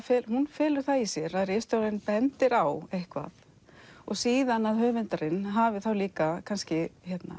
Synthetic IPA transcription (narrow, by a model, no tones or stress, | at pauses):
fɪlhunfɪːlʏɾ̥θaisjɛɾaðrest̪owɾaɪnpɛnt̪ɪɾawehkva̰ð | ɔɣsiːðanaðɦœːvɪnt̪aɾɪnɦavɪθawliːkakʰanscɪçɛt̪na̰